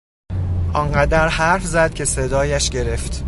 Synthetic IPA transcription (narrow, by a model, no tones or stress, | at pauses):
ʔɒːnɢæd̪æɾhæɾfzæd̪̥̚cʰe̞se̞d̪ɒːjæʃɟe̞ɾe̞ft̪